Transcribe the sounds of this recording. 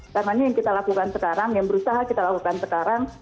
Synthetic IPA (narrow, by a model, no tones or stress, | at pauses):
karnaɲajaŋkit̪alakukansəkaɾaŋjaŋbəɾusaɦakit̪alakukansəkaɾaŋ